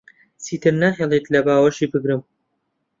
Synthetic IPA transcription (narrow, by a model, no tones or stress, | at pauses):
siːt̪ʰɨɾnaɦelˠet̪lɐbaːwɐʃiːbɨɡɾɨm